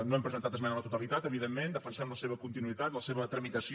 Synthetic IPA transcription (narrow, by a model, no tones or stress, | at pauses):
noɛmpɾəzənt̪at̪əzmɛnələt̪ut̪əlit̪at̪əβiðemːend̪əfənsamləseβ̞əkunt̪inuit̪at̪ləseβət̪ɾəmit̪əsi